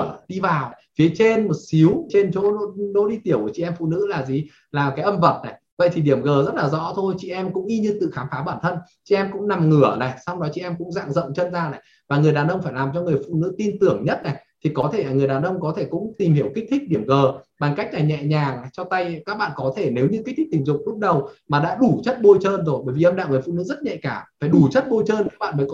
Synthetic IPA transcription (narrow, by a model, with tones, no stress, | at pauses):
ɗi˧vaː˨˩wfi˨˦ət͡ɕe˧nmo˨˩t̚si˨˦wt͡ɕe˧nt͡ɕo˧˦o˧˥ɗo̰˧˥ɗi˧t̪i˧˩əwt͡ɕḭ˧˨ʔɛ˧mfṵ˧˨nɨ̰˧˥laː˨˩zi˨˩ | laː˨˩kaː˨˦jʔə˧mvə˨˩t̚na˨˩j | və̰˧˨jt̪ʰi˨˩ɗi˧˩əmɣəː˨˩zə˦˥t̚laː˨˩zɔ̰˧˥t̪ʰo˧jt͡ɕḭ˧˨ʔɛ˧mkʊ̰˧˥ŋ͡mʔi˧ɲɨ˧t̪ɨ̰˧˨xaː˨˦mfaː˨˦ɓaː˧˩nt̪ʰə˧nt͡ɕḭ˧˨ʔɛ˧mkʊ̰˧˥ŋ͡mna˨˩mŋɨ˧˩əna˨˩jsa˧wŋ͡mɗɔ˨˦t͡ɕḭ˧˨ʔɛ˧mkʊ̰˧˥ŋ͡mza̰ː˧˨ŋzə̰˧˨wnt͡ɕə˧nzaː˧na˨˩j | vaː˨˩ŋɨ˨˩əjɗaː˨˩nʔə˧wŋ͡mfaː˧˩jlaː˨˩mt͡ɕɔ˧ŋɨ˨˩əjfṵ˧˨nɨ̰˧˥t̪i˧nt̪ɨ˨˧˩əŋɲə˦˥t̚na˨˩t̪ʰi˨˩kɔ˨˦t̪ʰe˧˩laː˨˩ŋɨ˨˩əjɗaː˨˩nʔə˧wŋ͡mkɔ˨˦t̪ʰe˧˩kʊ̰˧˥ŋ͡mt̪i˨˩mhi˧˩əwki̟˦˥t̪ʰi˦˥k̚ɗi˧˩əmɣəː˨˩ɓaː˨˩nka˦˥jk̚laː˨˩ɲɛ̰˧˨ɲaː˨˩ŋ˨˩t͡ɕɔ˧t̪a˧jkaː˦˥k̚ɓa̰ː˧˨nkɔ˨˦t̪ʰe˧˩ne˨˦wɲɨ˧ki˦˥t̪ʰi˦ï˧˩ŋ̟zʊ˨˩ŋ͡m̚lʊ˦˥k͡p̚ɗə˨˩wmaː˨˩ɗa̰ː˧˥ɗu˧˩t͡ɕə˦˥t̚ɓo˧jt͡ɕəː˧nzo˨˩jɓəː˧˩jvi˨˩ʔə˧wŋ͡mɗa̰ː˧˨ŋɨː˨˩fṵ˧˨nɨ̰˧˥zə˦˥t̚ɲa̰˧˨jkaː˧˩faː˧˩jɗu˧˩t͡ɕə˦˥t̚ɓo˧jt͡ɕəː˧nkaː˦˥k̚ɓa̰ː˧˨nməː˨˦j